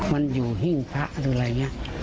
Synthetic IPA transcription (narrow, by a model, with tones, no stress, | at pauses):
ma˧njuː˨˩ɦi˧˩˨ŋkʰa˦˥ʔɾɯ˧˦la˨˧˩jɲa˧